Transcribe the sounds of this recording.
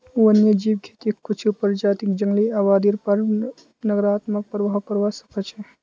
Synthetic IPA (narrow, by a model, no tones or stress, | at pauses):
uənjəd͡ʒibkʰet̪ikʰːut͡ʃʰupəɾd͡ʒaːt̪ikd͡ʒəŋɡliaʋaːd̪iɾpəɾ | nəɡɾaːt̪mək̚pəɾʋaɦkəɾʋasə̥kət͡ʃʰɛ